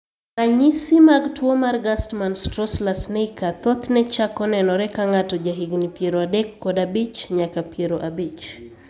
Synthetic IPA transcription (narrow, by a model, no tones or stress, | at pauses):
raɲisimaktʰuɔmaɾɡastmanstɾɔslasnejkat̪ɔt̪nɛt͡ʃakɔnɛnɔɾɛkaŋatɔd͡ʒaɦiɡnipijeɾɔadɛkːɔdabit͡ʃɲakapeɾɔʔabit͡ʃ